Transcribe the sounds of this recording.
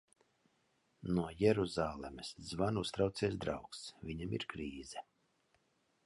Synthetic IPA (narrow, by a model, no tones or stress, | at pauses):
nuɔjɛɾuzaːlˠɛmɛszvanust̪ɾawt̪siɛsd̪ɾa̰wksvʲiɲamḭɾkɾiːzɛ